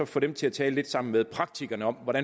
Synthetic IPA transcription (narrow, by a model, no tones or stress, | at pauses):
ɒ̽fɔ̽d̥emt͡sʰe̝æt͡sʰɛːləle̝d̥sɑ̈m̰n̩meðˠpʰʁɑ̈ɡ̥̚t͡sʰiɡ̥ɐnəɒ̽m̰ʋɒɾ̥æ